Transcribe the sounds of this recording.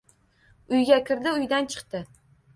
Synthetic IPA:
ʊjɡʲakʲʰɪɾd̪ɪʊjd̪ant͡ʃʰɨ̥qt̪ɪ

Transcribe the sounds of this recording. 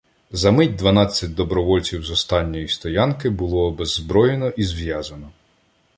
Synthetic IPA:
zɐmɪtʲd̪ʋɐnɑt͡sʲːɐt̚ʲd̪ɔbɾɔʋɔlʲt͡sʲiwzɔst̪ɑnʲːɔjist̪ɔjɑnkɪbʊlˠɔbɛzːbɾɔjenɔʔizʋjɑzɐnɔ

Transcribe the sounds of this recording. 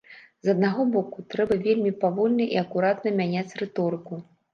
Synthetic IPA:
zɐd̪̚naɣɔbɔkut̪ɾɛbɐvʲelʲmʲipavɔlʲnɐʔiɐkuɾat̪nɐmʲanʲat͡sʲrɛt̪ɔɾɨku

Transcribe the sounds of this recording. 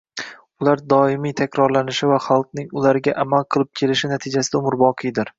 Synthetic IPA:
ʊlaɾd̪ɒɪmijt̪ʰakʲɾɒɾlanɪʃɪvaχɑlˠt̪nɪŋʊlaɾɡʲaʔamalˠqʰɨlˠɪp̚kʲʰe̞lɪʃɪnat̪ʰɪd͡ʒasɪd̪aʊmʊɾbɒqʰɨjd̪ɪɾ

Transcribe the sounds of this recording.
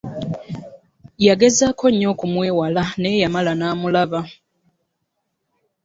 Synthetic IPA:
jaɡe̞zakʰo̞ɲːo̞ːkumweːwalane̞jamalanaːmulaβa

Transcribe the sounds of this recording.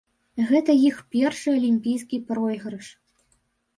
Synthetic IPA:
ɣɛt̪ɐjixpʲɛrʂɨɐlʲimʲpʲijskʲipɾɔjɣɾɐʂ

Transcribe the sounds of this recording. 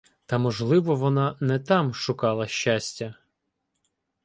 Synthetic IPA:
t̪ɐmɔʒlˠɪʋɔʋɔnɑnɛt̪ɑmʃʊkɑlˠɐʃʲt͡ʃasʲtʲɐ

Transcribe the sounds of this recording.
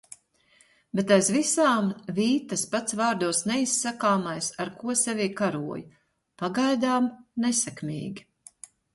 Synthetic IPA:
bet̪ajzvisaːmviːt̪ɐspat̪svaːɾd̪uɔsnɛisːakaːmajsaɾkuɔsɛvʲiːkaɾuɔj | paɡajd̪aːmnɛsɛkmʲḭːɡʲi

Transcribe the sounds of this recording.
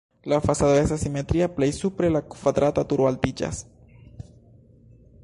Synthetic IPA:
lafasaðoesasimet̪ɾiaplejsupɾelakkaðɾat̪at̪uɾwalt̪id͡ʒa̰s

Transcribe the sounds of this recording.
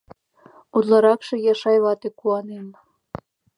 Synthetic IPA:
ud̪lɑɾɑkʃejɑʃɑjβɑt̪ekuɑnem

